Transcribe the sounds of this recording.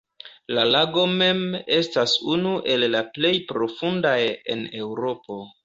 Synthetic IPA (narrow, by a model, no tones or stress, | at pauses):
lalaɡo̞me̞me̞stasunuʔe̞lːaple̞jpɾo̞fundaje̞̰ne̞wɾo̞po̞